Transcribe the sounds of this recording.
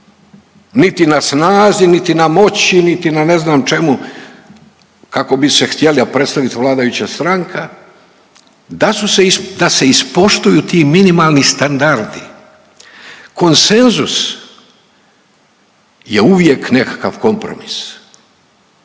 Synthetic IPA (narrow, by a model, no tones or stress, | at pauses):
nit̪inasnaːzinit̪inamo̞t͡ɕinit̪inane̞znaːmt͡ʃe̞mu | kako̞bise̞xt̪jeliapɾe̞t̪st̪aʋit̪ʋlˠaːd̪ajut͡ɕast̪ɾaŋkʰa | d̪asused̪ase̞ispo̞ʃt̪ujuːt̪iːminimalˠnist̪and̪aɾd̪i | ko̞nse̞nzus | jeuʋje̞kne̞kḁka̰ʋko̞mpɾo̰mis